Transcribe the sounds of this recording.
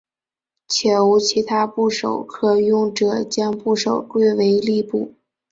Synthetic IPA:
t͡ɕʰjɛ˨˩u˧˥t͡ɕʰi˧˥t̪ʰa˥pu˥˩ʂo˨˩ʊkʰɤ˥˩jʊ˥˩ŋʈ͡ʂɤ˨˩t͡ɕjɑ˥ŋpu˥˩ʂo˨˩ʊkwe˥˩ɪwe˧˥ɪli˥˧pu˥˩

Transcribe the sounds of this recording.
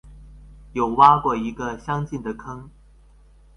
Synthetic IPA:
jo˨˩ʊwa˥kwɔ˥˩i˧˥ɡə˧ɕjɑ˥ŋt͡ɕi˥˩nd̪ə˩kʰɤ˥ŋ

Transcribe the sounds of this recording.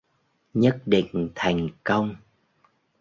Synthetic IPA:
ɲə˦˥t̚ɗḭ̈˧˨ŋ̟t̪ʰa˨˩jŋ̟kə˧wŋ͡m

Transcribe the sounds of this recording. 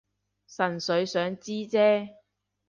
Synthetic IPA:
sɐ˨˩nsɵ˨˧˥ɥsœː˨˥ŋt͡siː˥t͡sɛː˥

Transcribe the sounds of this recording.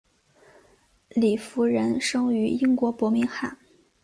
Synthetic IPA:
li˨˩fu˧˥ɻə˧˥nʂɤ˥ŋy˧˥i˥ŋkwɔ˧˥pwɔ˧˥mi˧˥ŋxa˥˩n

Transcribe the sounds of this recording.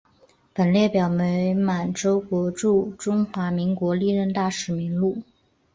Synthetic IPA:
pə˨˩nljɛ˥˩pjɑ˨˩ʊme˧˥ɪma˨˩nʈ͡ʂo˥ʊkwɔ˧˥ʈ͡ʂu˥˩ʈ͡ʂʊ˥ŋxwa˧˥mi˧˥ŋkwɔ˧˥li˥˧ɻə˥˧nt̪a˥˩ʂɻ̩˨˩mi˧˥ŋlu˥˩

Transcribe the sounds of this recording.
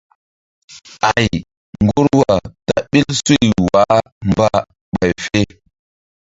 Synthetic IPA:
a˨j | ŋɡu˦ɾwa˨ta˦ɓi˦lsu˦jwa˨˦ | mba˦ | ɓa˨jfe˦

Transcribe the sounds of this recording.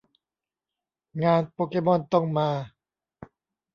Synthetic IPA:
ŋaː˧npoː˧keː˧bɔ˥˩nt̪ɔ˥˩ŋmaː˧

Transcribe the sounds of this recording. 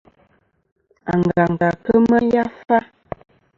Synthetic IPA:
a˨ŋ˨ɡa˨ŋ˨ɡa˨kə˦mə˦ja˦fa˦

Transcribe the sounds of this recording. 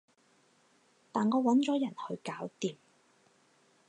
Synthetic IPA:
t̪aː˨nŋɔː˨˧wɐ˨˥nt͡ʃɔː˨˥jɐ˨˩nhɵ˧ɥkaː˨˥wt̪iː˨m

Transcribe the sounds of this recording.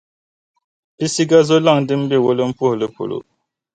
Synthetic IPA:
i˦si˦ɡa˦zo˦la˦˨ŋdɨ˦m˦bɛ˦˨wo˦lɨ˦m̩˦pu˦˨hlɨ˦po̰˨lo̰˨

